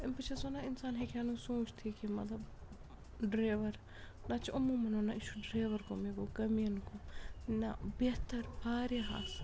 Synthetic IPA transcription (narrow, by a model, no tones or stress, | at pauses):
ɐmpɐt͡ʃʰɐsoːnaɪnsaːnɦekʰanũːsũːt͡ʃʰt̪ʰikimɐt̪lɐb | ɖɾeːʋɐɾ | nat͡ʃʰʔɐmumɐnoːnait͡ʃʰuɖɾeːʋɐɾkomiɡoːkɐmijɐnkonabet̪ɐɾbaːɾiɦa̰ːs